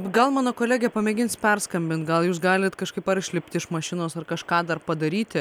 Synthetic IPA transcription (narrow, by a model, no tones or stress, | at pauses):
ɡɐlˠmɑːnoːkoːlʲæːɡʲɛpɐmʲɛːɡʲɪnspʲɛrskɐmʲbʲɪnt̪̚ɡɐlˠjuːsɡɑːlʲɪt̪kɐʃkɐɪpɐɾʃʲlʲɪpʲt̪ʲɪɪʃmɐʃʲɪnoːsɐrkɐʃkɑːd̪ɐrpɐd̪ɐɾʲiːt̪ʲɪ